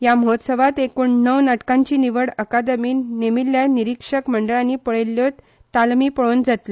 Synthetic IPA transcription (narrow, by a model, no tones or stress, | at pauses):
jaməɦot̪səʋat̪ekuːɳnəwnaʈkãɲt͡ɕiːniʋəɽəkad̪əmiːnemilːjaniɾikʂəkməɳɖəɭaniːpəɭelːjot̪ | t̪almiːpəɭoːnd͡zat̪li